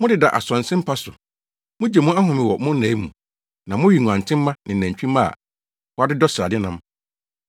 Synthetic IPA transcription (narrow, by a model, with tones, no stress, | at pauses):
mʊ̃˦dɪ˨da̰˨ʔa̰˨sɔ̃˨nsɪ̃˦m̩˦pʰa˦sʊ̰˨ | mʊ̃˦d͡ʑɛ˨mũ˦a˦ɦʊ̃˨mɪ̃˨wɔ˨mʊ̃˦næ̃˨˦i˦mũ˨ | nã˨mʊ̃˦ɥi˨ŋũ˨ã˨n˨tʰɪ̃˦m̩ː˦ã˦nɪ̃˨næ̃˨ɲ˨t͡ɕᶣĩ˦ma̰˦˨ | wa˦dɪ˦dɔ˦sa˨dɪ˦nã˦m